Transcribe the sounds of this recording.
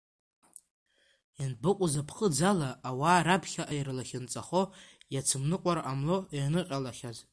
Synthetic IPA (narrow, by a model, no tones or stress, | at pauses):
janbɨqʷʼʊzapʰχəd͡zalaːwaːɾapʰχʲaʔajrlaχʲɪnt͡sʼaχojat͡sʰɨmnɨqʷʼaɾaʔamloernɨqʲʼalaχʲaz